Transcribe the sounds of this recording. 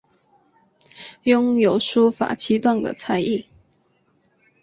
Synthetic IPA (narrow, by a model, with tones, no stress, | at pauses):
jʊ˥ŋjo˨˩ʊʂu˥fa̰˨˩t͡ɕʰi˥t̪wa˥˩ŋd̪ə̰˨t͡sʰa˧˥ɪi˥˩